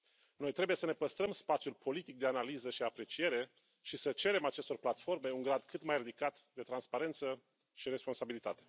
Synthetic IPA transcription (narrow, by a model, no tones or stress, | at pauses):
no̞jt̪ɾe̞buje̞səne̞pəst̪ɾəmspat̪sijulpʰo̞lit̪ik̚d̪e̞analizəʃiapɾe̞t͡ʃije̞ɾe̞ | ʃisət͡ʃe̞ɾe̞mat͡ʃe̞st̪o̞rplat̪fo̞rme̞uŋɡɾad̪kɨt̪majrid̪ikat̪d̪e̞t̪ɾanspaɾe̞nt̪sə | ʃiɾe̞spo̞nsabilit̪at̪e̞̥